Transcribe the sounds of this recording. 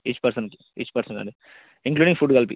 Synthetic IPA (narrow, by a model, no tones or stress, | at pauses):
it͡ʃːpɐɾsɐ̃nk | it͡ʃpɐɾsɐ̃nɐ̰ɳɖi | ɪŋkluːɖĩŋfuɖkɐlpḭ